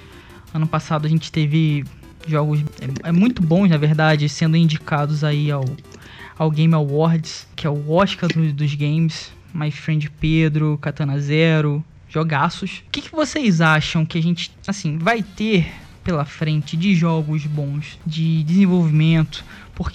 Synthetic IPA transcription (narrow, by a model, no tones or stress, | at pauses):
ɐ̃nʊpasad̪ʊɐʒẽnt͡ʃɪ̥t̪evɪ | ʒɔɡʊzɛɛmũj̃t̪ʊbõznɐveɾd̪ad͡ʒɪsẽnd̪ʊĩd͡ʒikad̪ʊzaiaw | awɡẽj̃mawɔɾd͡ʒɪskɪɛʊɔʃkad̪ʊd̪ʊzɡẽj̃mɪs | majfɾẽnd͡ʒɪped̪ɾʊkat̪ɐ̃nɐzɛɾʊ | ʒ̥oɡasʊʃʊkɪkɪvosejzaʃɐ̃w̃kɪaʒẽnt͡ʃɪ̥ | asĩvajt̪eɾ | pelɐfɾẽnt͡ʃɪd͡ʒɪʒɔɡʊzbõw̃sd͡ʒɪd͡ʒɪzẽvowvimẽnt̪ʊ̥ | pʊk